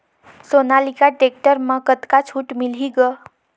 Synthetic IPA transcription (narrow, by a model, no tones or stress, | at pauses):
sonalikaʈek̚ʈəɾmə̃kət̪kat͡ʃʰuʈmiliɡə